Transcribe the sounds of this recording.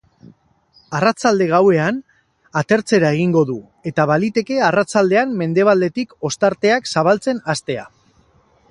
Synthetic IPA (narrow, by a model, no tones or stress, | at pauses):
arat͡sald̪e̞ɣ̞awe̞an | at̪e̞ɾt͡se̞ɾae̞ɣ̞iŋɡo̞ðu | e̞t̪aβalit̪e̞ke̞arat͡sald̪e̞amme̞nd̪e̞β̞ald̪e̞t̪iko̞st̪aɾt̪e̞aksaβalt͡se̞nast̪e̞a̰